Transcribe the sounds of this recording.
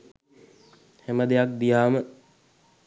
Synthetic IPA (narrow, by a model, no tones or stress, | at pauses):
hɛməd̪ejak̚d̪ijaːmə